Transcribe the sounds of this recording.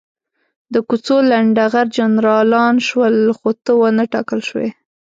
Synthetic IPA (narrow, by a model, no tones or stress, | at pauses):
d̪əkut͡solaɳɖaɣaɾd͡ʒanɾɑlɑnʃwəlxot̪əwənəʈɑ̰kəlʃwḛ